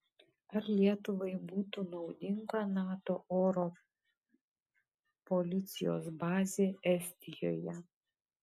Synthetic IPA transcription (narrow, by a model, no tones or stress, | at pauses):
ɐɾlʲiɛt̪ʊʋɐɪbuːt̪unɒʊd̪ʲɪŋɡɐnɑːt̪oːoːɾɔ | pɔlʲɪt̪sʲɪjo̰ːsbɑːzʲeːʔɛsʲt̪ʲɪjo̰ːjɛ